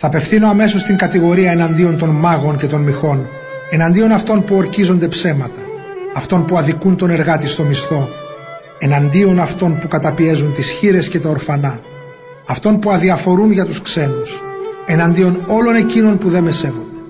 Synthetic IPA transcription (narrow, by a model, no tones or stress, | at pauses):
θɐːpe̞fθino̞ɐme̞so̞st̪iŋkɐt̪iɣo̞ɾiɐe̞nɐnd̪io̞nt̪o̞nmɐɣo̞nce̞t̪o̞nmixo̞n | e̞nɐnd̪io̞nɐft̪o̞npuo̞ɾcizo̞nd̪e̞pse̞mɐt̪ɐː | ft̪o̞npuɐðikunt̪o̞ne̞ɾɣɐt̪ist̪o̞mist̪o̞ | e̞nɐnd̪io̞nɐft̪o̞npukɐt̪ɐpie̞zunt̪isçiɾe̞sce̞t̪ɐoɾfɐnɐː | ft̪o̞npuɐðiɐfo̞ɾunʝɐt̪uskse̞nuse̞nɐnd̪io̞no̞lo̞ne̞cino̞npuðe̞mese̞vond̪e